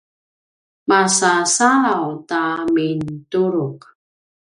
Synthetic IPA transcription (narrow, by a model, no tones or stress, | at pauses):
masasaɾawtamintuɾuq